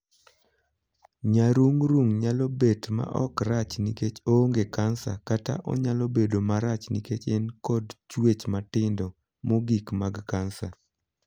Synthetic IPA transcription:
ɲaɾuŋɾuŋɲalɔbetma̰ʔɔ̰kɾat͡ʃniket͡ʃoŋɡekansakata̰ʔɔ̰ɲalɔbedomaɾat͡ʃniket͡ʃɛnkɔdt͡ʃwet͡ʃmatɪndɔ | moɡikmaɡkansa

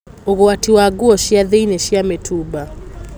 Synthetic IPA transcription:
oɣowatiwaɡuɔʃiaðeinɛʃiamɛtʰuba

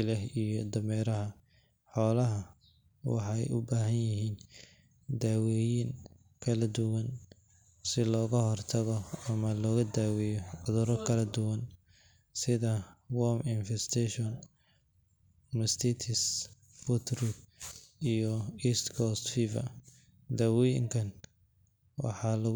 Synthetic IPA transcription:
ɪlɛɦijɔd̪ɐmɛːɾɐɦɐ | ħɔːlɐɦɐ | wɑ̰ħɑjʊbaːɦɐnjɪɦiːn | d̪aːwɛːjiŋ | kʰɐlɐd̪ʊwɐn | sɪlɔːɣɐɦɔrt̪ʰɐɣɔɐmɐlɔːɣɐd̪aːwɛjɔʕʊðʊɾɐkʰɐlɐd̪ʊwɐn | sɪðɐwɔmɪnfɛst̪ʰɛʃɔn | mɛst̪ʰit̪ʰɪs | fʊt̪ʰɾuɡijɔiːst̪kʰɔst̪fiːvɐ̰ | d̪aːwɛjɪ̰ŋkʰɐn | wɑ̰ħɑlɐ

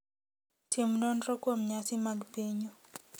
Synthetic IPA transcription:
timnɔnɾɔkwomɲasimaɡbeɲɔ

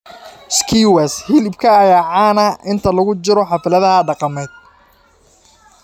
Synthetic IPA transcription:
skʰiwɛshilɪbkʰɐːjaːʕaːnɐɪnt̪ʰɐlɐɣʊt͡ʃɪɾɔħɑfɪlɐðɐɦɐɖɑqɑmɛːd̪̚

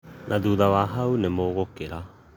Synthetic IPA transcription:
nʔaduːdaβaːɦawnemoːɣokeɾa

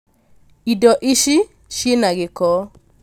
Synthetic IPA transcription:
idɔʔiʃi | ʃjenaɡɪkɔ

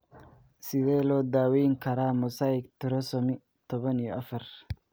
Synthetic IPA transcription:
sɪðɛːlɔːd̪aːwɛjŋkʰɐɾaːmɔsaːɪɡt̪ʰʊɾɔsɔmɪ | t̪ʰɔβɐnijɔʔɐfɐr

